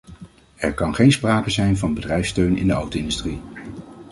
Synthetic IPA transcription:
ɛ̰ɹkɑnχejnspraːkəzɛjnvɑnbədrɛjfstøɥnɪ̰ndəɑwtoɪndystri

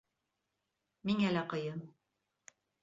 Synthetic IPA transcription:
miŋælæqɤ̆jɤm

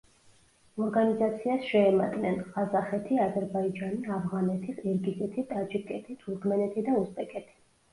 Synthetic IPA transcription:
ɔɾɡanizat̪sʰiasʃɛːma̰d̪ʼnɛnqʼazaχɛt̪ʰiazɛɾbaid͡ʒaniavʁanɛt̪ʰisɛɾɡizɛt̪ʰit̪ʼad͡ʒikʼɛt̪ʰit̪ʰuɾkʰmɛnɛt̪ʰid̪auspʼɛkʼɛt̪ʰi̥

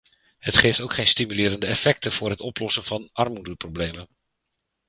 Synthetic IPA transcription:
hətχejftowkχejnstimylɪːɾəndəɛfɛk̚təv̥ʊːrɦətɔplɔsənv̥ɑnʔɑrmudəproblejmən

